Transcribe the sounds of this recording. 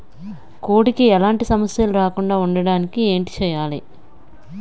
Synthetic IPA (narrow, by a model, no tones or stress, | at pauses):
koːɽikiɛlaːɳʈisɐmɐsjɐluɾaːkuɳɖaːuɳɖɐɽaːnikieːɳʈi̥t͡ʃɛjaːli